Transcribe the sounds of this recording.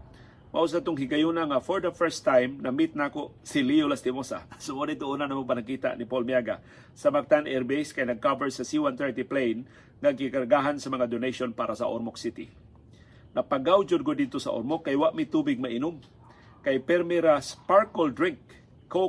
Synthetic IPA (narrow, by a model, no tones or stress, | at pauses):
maʔus̬ad̪t̪ʊŋɦɪɡajunaŋafoɹd̪ɐfɛɹst̪ajmnɐmit̪̚nakoʔsɪlijolast̪ɪmosa̰sʊmodɪt̪oʔuːnanamopɐnakiːt̪a̰ʔnipolmjaɡa | sɐmak̚t̪anɛɾbejskajnɐɡ̚kavɛɹsɐsiwant̪ɛɹt̪iplejn | ŋaɡkikɐɾɡaɦansɐmɐŋad̪onejʃonpaːɾasɐ̰ʔo̰ɾmok̚sit̪ɪ | nɐpaɡawd͡ʒʊd̪̚ɡʊd̪ɪd̪̚t̪osɐ̰ʔo̰ɾmokːajwaʔmɪt̪uːbɪɡ̚mɐʔɪnʊm | kajpɛɾmiɾaspaɹkold̪ɾɪŋkː | o